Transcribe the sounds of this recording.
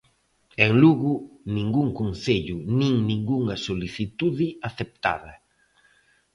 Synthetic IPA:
eŋluɣʊnĩŋɡuŋkonθeʎʊnĩŋnĩŋɡuŋɐsoliθit̪uðɪaθep̚t̪a̰ðɐ

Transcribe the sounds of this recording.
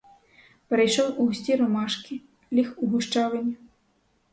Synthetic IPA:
pɛɾejʃɔwʔusʲt͡sʲiɾɔmaʃkʲi | lʲixuɦuʂt͡ʂaʋɐnʲːi

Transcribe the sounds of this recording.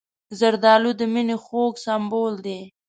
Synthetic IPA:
zaɾd̪ɑlud̪əminexoɡsambold̪e

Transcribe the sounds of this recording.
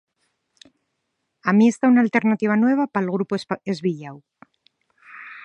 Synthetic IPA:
amie̞st̪aunalt̪e̞ɾnat̪iβ̞anwe̞β̞apalɣ̞ɾupoezβiʎaw

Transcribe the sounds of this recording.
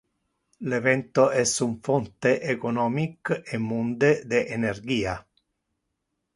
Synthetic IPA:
levɛnt̪oɛsuɱfɔnt̪eʔekonɔːmikemːund̪ed̪eʔenerɡ̟iːa

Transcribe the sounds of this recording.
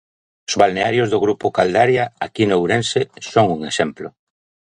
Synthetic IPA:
ʊzβalneaɾjʊzðʊɣɾupʊkald̪aɾjaakinowɾensesoŋuŋesɛmplʊ

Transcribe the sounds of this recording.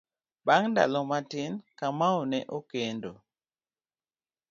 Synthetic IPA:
baŋnda̰lɔmatinkamawnɛʔokendo

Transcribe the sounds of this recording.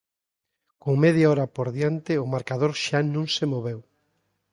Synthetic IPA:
koŋmeðjaɔɾapoɾðjant̪ɪʊmaɾkaðoɾʃanũŋsemoβew

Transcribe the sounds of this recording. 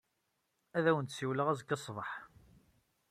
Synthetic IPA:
æðæwənt̪siwləʁæzkːɑsˤvəħ

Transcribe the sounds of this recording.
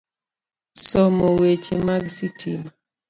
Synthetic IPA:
sɔmowet͡ʃemaɡsitʰima

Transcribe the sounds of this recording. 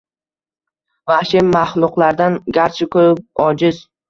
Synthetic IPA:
vaʃɪmmːaχlˠʊqlˠaɾd̪anɡʲaɾt͡ʃʰɪkʰɵɾɪp̚ɒd͡ʒɪz

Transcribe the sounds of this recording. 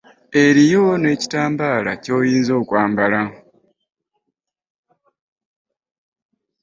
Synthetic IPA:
e̞ɾijo̞ne̞ci̥taːmbaːlaco̞ːjiːnzo̞ːkwaːmbala

